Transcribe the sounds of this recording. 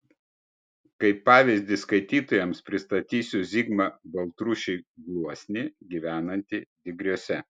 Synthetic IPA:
kɐɪpːɑːʋʲɪzʲd̪ʲɪskɐɪt̪ʲiːt̪ojɛmspʲɾʲɪst̪ɐt̪ʲiːsʲʊzʲiɡmɐbɐlˠt̪ɾʊʃʲɛɪɡlˠuɔsʲnʲɪɡʲiʋʲæːnɐnʲt̪ʲid̪ʲɪɡɾʲuɔsʲɛ

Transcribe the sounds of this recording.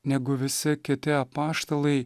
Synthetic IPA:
nʲɛɡʊʋʲɪsʲɪkʲɪt̪ʲɪɐpɑːʃt̪olˠɐɪ

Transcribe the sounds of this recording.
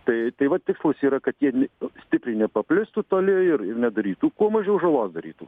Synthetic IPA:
t̪ɐɪt̪ɐɪʋɐt̪tʲɪkslˠɐsʲiːɾɐkɐt̪jiɛnʲɛsʲt̪ʲɪpʲɾʲɪnʲɛpɐpʲlʲɪst̪ʊt̪olʲɪɪɾɪɾnʲɛd̪ɐɾʲiːt̪ukuɔmɐʒʲɛʊʒɐlˠɑːsd̪ɐɾʲḭːt̪u

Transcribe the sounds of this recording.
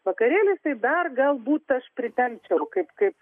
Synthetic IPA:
ʋɐkɐɾʲeːlʲɪst̪ɐɪd̪ɐrɡɐlˠbuːt̪ɐʃpʲɾʲɪt̪ʲɛŋʲt͡ʃʲɛʊkɐɪpkɐɪp

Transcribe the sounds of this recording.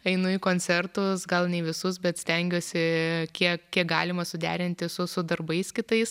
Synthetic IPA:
ɐɪnʊjkoːnʲt͡s̪ʲɛrt̪ʊsɡɐlˠnʲɛɪʋʲɪsʊsbʲɛt̪sʲt̪ʲɛŋʲɡʲoːsʲɪkʲiɛkkʲiɛk̚ɡɑːlʲɪmɐsʊd̪ʲæ̰ːɾʲɪnʲt̪ʲɪsʊsʊd̪ɐrbɐɪskʲɪt̪ɐɪs

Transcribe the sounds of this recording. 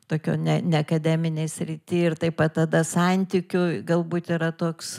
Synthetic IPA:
t̪oːkʲo̰ːnʲɛnʲɛɐkɐd̪ʲæːmʲɪnʲeɪsʲɾʲit̪ʲiɪrt̪ɐɪpɐtt̪ɐd̪ɐsɐnʲt̪ʲiːkʲʊɡɐlˠbuːt̪iːɾɐt̪oːks

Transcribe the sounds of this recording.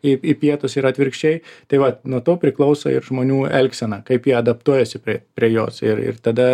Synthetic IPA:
ɪɪpʲiɛt̪ʊsɪɾɐt̪ʲʋʲɪɾkʃʲt͡ʃʲɛɪt̪ɐɪʋɐnuɔt̪oːpʲɾʲɪklˠɐʊso̰ɪ̰ɾʒmoːnʲuːɛlʲksʲɛnɐkɐɪpjiɛɐd̪ɐp̚t̪uɔjɛsʲɪpʲɾʲiɛpʲɾʲiɛjo̰ːsɪ̰ɾɪ̰rt̪ɐd̪ɐ

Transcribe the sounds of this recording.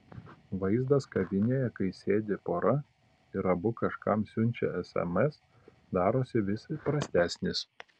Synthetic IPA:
ʋɐɪzd̪ɐskɐʋʲɪnʲeːjɛkɐɪsʲeːd̪ʲepoːɾɐ | ɪɾɐbʊkɐʃkɐmsʲʊnʲˑt͡ʃʲɛ̰ɛsɛ̰mɛs | d̪ɑːɾoːsʲɪʋʲɪsɐpɾɐsʲt̪ʲæːsʲnʲɪs

